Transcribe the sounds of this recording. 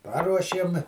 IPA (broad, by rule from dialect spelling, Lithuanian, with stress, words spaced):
ˈpɑːruɔʃʲeːm